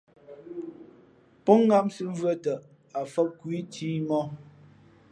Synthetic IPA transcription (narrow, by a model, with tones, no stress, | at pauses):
pɔ˦ŋː˦a˦msɨ˦vɰə˦tə˨ | a˨fə˦p̚kwi˦tʰiː˦mɔ˦